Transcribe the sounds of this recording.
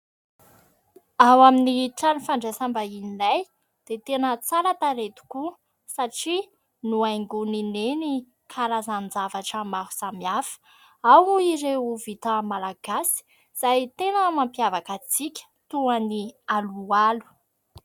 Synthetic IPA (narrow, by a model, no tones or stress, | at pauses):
awaminiʈ͡ʂanifaɳɖ͡ʐesambainilaj | d̪̥et̪enət͡saɾat̪aɾet̪u̥ku | saʈ͡ʂi | nuajŋɡunineni | kʰaɾazand͡zavaʈ͡ʂəmaɦu̥samiafə̥ | awiɾeuvit̪əmalaɡ̥asi̥ | z̥ajt̪enəmampiavakat͡sikʲə̥t̪uanialualu̥